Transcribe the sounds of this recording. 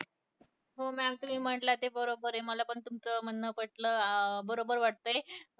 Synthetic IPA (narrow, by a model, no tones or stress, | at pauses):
ɦomɛamit̪um̤iːm̤əʈlat̪ebəɾobəɾeməlapəɳt̪umt͡səm̤ənːəpəʈləbəɾobəɾʋaɽ̚t̪əe